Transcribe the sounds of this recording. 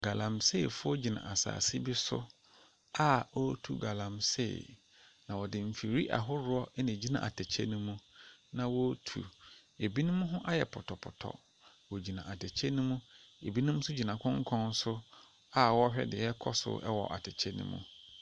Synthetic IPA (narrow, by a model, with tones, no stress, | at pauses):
ɡ̥a˨lã˨mse˦˨fʊ˦ɔ˦d͡ʑi˨nã̰˨a˨sa̰ː˨sɪ˦bɪ˦sʊ̰˦ | a˦o˦tʰu˨ɡa˨lã˨msḛ˦˨ | nã˨wɔ˨dɪ̃˨m̩˨fi˨ɾi˦ʔa̰˨ɦʊ˦ɾʊ˦ɔ˦ɛ˦nɪ̃˨d͡ʑi˦nã̰˨ʔa˨tʰɛ˨t͡ɕʰɛ˦nũ˦mũ˦nã˨wo˦tʰṵ˨e˨bi˦nʊ̃˦mũ˦ɦʊ̃˦ʔa˦jɛ̰˨pʰɔ˨tʰɔ˨pʰʊ̰˨tʰɔ̰˨ | wo˨d͡ʑi˨nã˨ʔa˨tʰɛ˨t͡ɕʰɛ˦nũ˦mũ˦e˨bi˦nʊ̃˦m̩ũ˦sʊ˦d͡ʑi˨nã˨kʰɔ̃˦ŋ˦kʰɔ̃˦n˦sʊ˦ | a˦wɔ˦hᶣɛ̰˦dɪ˨jɛ˦kʰɔ˦sʊ̰˦ʔɛ̰˦wɔ˨ʔa̰˨tʰɛ˨t͡ɕʰɛ˦nṵ̃˦mṵ̃˦˨